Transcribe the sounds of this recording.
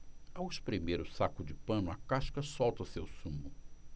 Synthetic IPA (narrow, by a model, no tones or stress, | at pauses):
awɪspɾemeɾʊsakʊd͡ʒɪpɐ̃nʊɐkaʃkɐsɔwt̪ɐsewsũmʊ